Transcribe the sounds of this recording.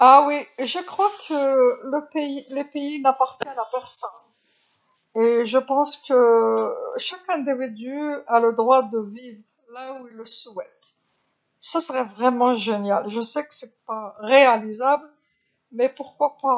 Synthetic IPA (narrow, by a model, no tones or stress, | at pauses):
awiʒəkχwakʰələpeilepeinapaʁt̪jɛnapɛʁsɔn | eʒəpɑ̃skə | ʃakɛ̃d̪ivid̪yaləd̪ʁwad̪əvivʁ | lauilːəsɛt̪ | sasəʁɛvʁɛmɑ̃ʒenjalʒəsɛkə̥sɛpaʁealizabl | mɛpuʁkwapa